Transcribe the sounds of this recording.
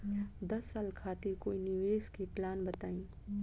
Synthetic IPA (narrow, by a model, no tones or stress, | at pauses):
d̪ɐsːaːlkʰaːt̪ɪɾkoːinɪʋeːskiplaːnbət̪aːĩː